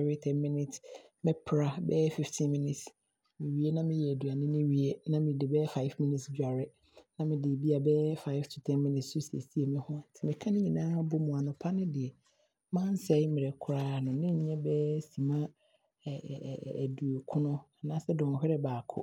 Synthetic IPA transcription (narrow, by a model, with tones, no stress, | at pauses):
wɪ˦tʰɛ̃˦nmɪ̃˦nɪ̃˨t | mɪ̃˦pʰɾa˦bɛː˦fi˨ftʰĩ˦nmɪ̃˦nɪ˨t | mɪ̃˨ɥi˨˦e˦nã˦mɪ̃˦jɛ˨æ˨du˨a˨nɪ̃˦nɪ̃˦ɥi˨e˦nã˦mɪ̃˨de˨bɛː˦fa˦ɪ˦fmɪ̃˦nɪ˦˨tsd͡ʑu˨a˨ɾɪ˦ | nã˦mɪ̃˨dɪ˨bi˦a˨bɛː˦fa˦ɪ˦ftʰu˨tʰɛ̃˦nmɪ̃˦nɪ̃˨tsʊ˦si˨ḛ˨si˦e˨mɪ̃˦hʊ̃˦a˨tʰɪ˦mɪ̃˨kʰã˦nɪ̃˦ɲĩ˨nãː˦bo˦mũ˨a˨nʊ̃˨pʰa˦nɪ̃˦dɪ˨ɛ˨ | mã˦n̩˦sɛ˨˦mɪ̃˨ɾɛ˨kʰʊ˦ɾaː˦˨nʊ̃˨nɪ̃˦ɲ̩˨˦ɲɛ̃˦bɛː˦sĩ˨mã˦˨ | du˨o˨kʰʊ̃˦nʊ̃˦a˨nã˦sɛ˦dɔ̃˨hɪ˦ɾɪ˦baː˨kʰʊ̰˦